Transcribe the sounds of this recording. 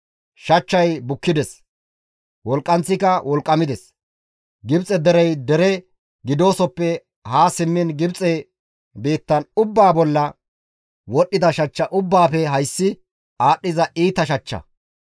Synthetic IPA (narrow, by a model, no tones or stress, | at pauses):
ʃɐt͡ʃːɐjbʊkːɪd̪ɛs | wɔlkʼːɐnt͡sːɪkɐwɔlkʼːɐmɪd̪ɛs | ɡɪbt͡sʼɛd̪ɛɾɛjd̪ɛɾɛ | ɡɪd̪o̞ːsɔpːɛ | haːsɪmːɪnɡɪbt͡sʼɛ | biːt̪ːɐnʊbːaːbɔlːɐ | wɔɗːɪd̪ɐʃɐt͡ʃːɐʔʊbːaːpɛɦɐjsːɪ | aːɗːɪzɐʔiːt̪ɐʃɐt͡ʃːɐ̰